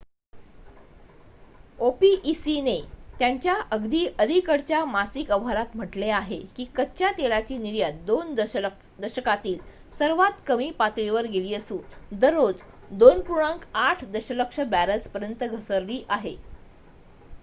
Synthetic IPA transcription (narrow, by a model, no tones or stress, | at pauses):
opiʔisinet̪jaɲt͡ɕjaʔəɡd̪iːʔəlikəɽt͡ɕjamasikəʋɦaɾat̪m̤əʈleaɦekiːkətːt͡ɕjat̪elat͡ɕiːniɾjəd̪ond̪ | d̪əɾɕəkat̪iːl | səɾʋat̪kəmiːpat̪ɾiʋəɾɡeliːəsũːnd̪əɾːod͡z | d̪onpuɾɳãŋkaʈʰd̪əɕələkʂəbæɾət͡spəɾjənt̪əɡʱəsəɾliːʔaɦe